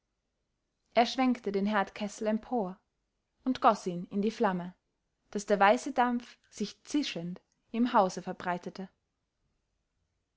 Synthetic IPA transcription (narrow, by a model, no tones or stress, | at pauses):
ʔeːɐʃv̥ɛŋktədeːnɦɛɐtkʰɛsl̩ɛmpʰoːɐ | ʊntɡ̥ɔsiːnɪndiːflamə | d̥asd̥eːɐvaɪsədamp͡f | z̥ɪçt͡sɪʃənt | ɪmɦaʊzəfɛɐbʁaɪtətʰə